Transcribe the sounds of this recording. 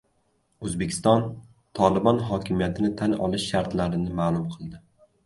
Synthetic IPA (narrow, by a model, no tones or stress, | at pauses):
ɵzbekʲʰɪ̥st̪ɒn | t̪ʰɒlˠɪbɒnɦɒkʲʰɪmijat̪ʰɪnɪt̪ʰanɒ̰lˠɪʃːaɾt̪laɾɪnɪmaːlˠʊmqʰɨlˠd̪ɪ